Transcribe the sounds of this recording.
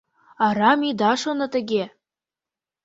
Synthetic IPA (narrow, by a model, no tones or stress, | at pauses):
ɑɾɑmid̪ɑʃonɤ̆t̪ɘ̆ɡʲe